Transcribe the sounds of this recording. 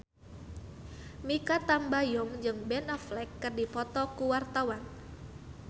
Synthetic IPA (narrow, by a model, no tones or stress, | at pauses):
mikat̪ambajɔŋd͡ʒɨŋbɛnɔflɛkːɨrdipɔt̪ɔkuwart̪awan